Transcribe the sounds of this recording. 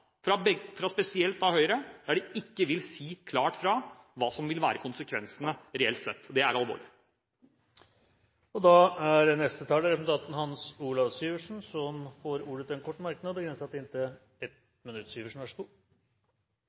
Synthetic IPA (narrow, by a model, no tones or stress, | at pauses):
fɾɑbɛfɾɑspɛsɪɛlt̪ɑʋhœʏɾəæɖɛɪkːəʋɪlsiːkʰlɑːʈfɾɑ | ʋɑːsɔmʋɪlʋæːɾəkʰʊnsəkʰʋɛ̰nsənəɾɛɛlt̪sɛt̪ːd̪ɛæɾɑlʋo̰ːɭɪ | ɔd̪ɑæɾənɛst̪ət̪ʰɑːləɾɛpnt̪ɑnt̪ən̩hɑnsuːlɑʋsyːʋəʂn̩sɔmfɔɾuːɽət̪ɛnkʰɔʈːmɑɾknəɔbəɡɾɛnsəɑt̪d̪ɪnt̪ə | ɛt̪ | mɪnʉt̪ːsyːʋəʂn̩æʂt̪uːɾ